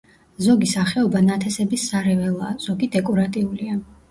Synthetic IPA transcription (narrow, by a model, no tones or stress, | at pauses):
zɔɡisaχɛɔbanat̪ʰɛsɛbisːaɾɛvɛlˠaːz̥ɔɡid̪ɛkʼɔɾat̪ʼiulia